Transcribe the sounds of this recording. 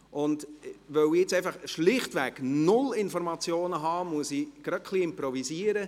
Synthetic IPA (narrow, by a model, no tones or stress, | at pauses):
ʔʊndʋœwiɛt͡sɛɪfɑχʃlɪχtʋɛknʊlɪnfɔɾmɑt͡sjoːnəɦɑːmuəsiɡ̥ɾɑt̚kʰliɪmpɾɔvisiːəɾə